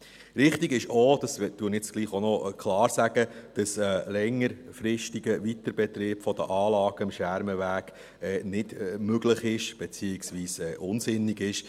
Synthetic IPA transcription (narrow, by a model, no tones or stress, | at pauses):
ɾɪχtiɡɪʃod̥ɑsd̥uːənjɪt͡sɡ̥liːχonɔkʰlɑːɾsæɡ̥əd̥ɑsəlɛŋːəɾfɾɪʃtiɡəʋit̪əɾb̥ɛt̪ɾɪːb̥fɔd̥̪əʔɑːlɑːɡəɪmʃæɾməʋæːɡ̥ | ɛːnɪdmøɡləχɪʃb̥ɛt͡siːɪksʋiːsɛːʔʊnsɪnːiɡɪʃ